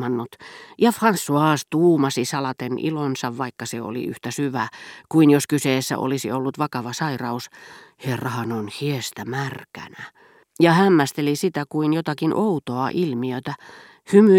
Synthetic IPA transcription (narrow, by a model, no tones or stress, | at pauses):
ɑnːot̪jɑfrɑnsːuɑːst̪uːmɑsisɑlɑt̪enʔḭlonsɑʋʋɑikːɑseo̰lḭy̰ht̪æsyʋækuinjoskyseːsːæ̰ʔo̰lisḭolːut̪ʋɑkɑʋɑsɑirɑusherːɑhɑnonhiest̪æmærkæ̰næ | jɑhæmːæst̪elisit̪ækuinjot̪ɑkinʔout̪oɑʔilmiøt̪æ | hymy